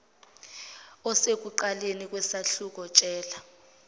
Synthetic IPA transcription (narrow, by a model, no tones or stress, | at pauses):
ɔsek̬uǃalenik̬ʼwɛsaɬuk̬ɔt͡ʃʼɛːla